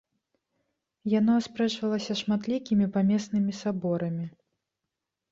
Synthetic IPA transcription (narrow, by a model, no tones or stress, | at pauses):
janɔspɾɛʂvɐlˠɐsʲɐʂmat̪lʲikʲimʲipamʲɛsnɨmʲisabɔɾɐmʲi